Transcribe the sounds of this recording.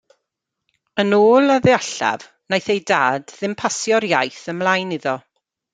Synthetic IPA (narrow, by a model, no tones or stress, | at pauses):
ənoːlˠaðɛaɬa̰v̥ | najθejdaːdðɪmpʰasjɔɾjajθəmlˠajnɪðɔ